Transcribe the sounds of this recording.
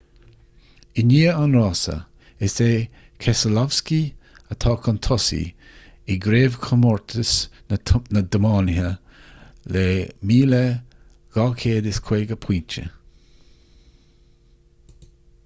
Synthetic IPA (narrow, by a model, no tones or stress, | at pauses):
ɪniːəanɾɑːsə̰ | ɪseː | kʰɛsəlɔvski | ət̪ʰɑːkʰɔnt̪ʰɔsḭ | ɪɡɾeːvkʰəmɔɹt̪ʰəs | nəd̪əmɑːnɪɦə | lemiːlɛ | ɡ̥ɑːkʰeːd̪ɪskʰweːɡəpʰiːnt͡ʃə̰